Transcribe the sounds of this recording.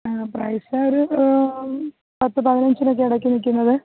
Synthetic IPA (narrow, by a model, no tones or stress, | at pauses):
prɐjsaoɾu | pɐt̪ːɨpɐðinɐɲd͡ʑino̞k̬ːe̞ɐɽɐkːunik̬ʲːunːɐðɨ